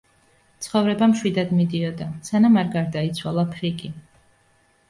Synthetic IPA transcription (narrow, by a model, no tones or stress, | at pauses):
t̪sʰχɔvɾɛbamʃwid̪ad̪mid̪iɔd̪asanamaɾɡaɾd̪ait̪sʰwalˠapʰɾikʼi